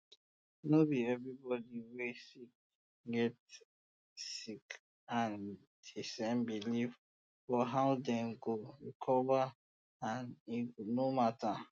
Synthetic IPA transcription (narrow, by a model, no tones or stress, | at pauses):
nobiɛvɹibɔdiwesik̚ | ɡɛt | sik | ãn | d̥isɛ̃nbilif | fɔɦaʊdɛ̃mɡoɹikʰɔva | ãninomatʰa